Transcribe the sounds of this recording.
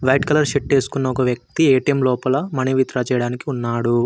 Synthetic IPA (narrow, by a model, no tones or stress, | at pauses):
ʋɐjʈkɐlɐɾʃeʈt͡ʃe̞ːsu̥kunːɐɔkɐʋjɐk̚t̪ieːʈijɐmlɔːpɐlɐmɐniʋit̪ɾaːt͡ʃɛːjɐɽaːnikiunːaːɽu